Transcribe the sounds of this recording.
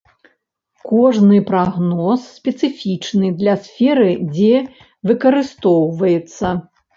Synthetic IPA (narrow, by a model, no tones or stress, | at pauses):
kɔʐnɨpɾaɣnɔsːʲpʲɛt̪sɨfʲit͡ʂnɨd̪lʲɐsfʲɛɾɨd͡zʲɛ | vɨkɐɾɨst̪ɔwvɐjɛt̪sːɐ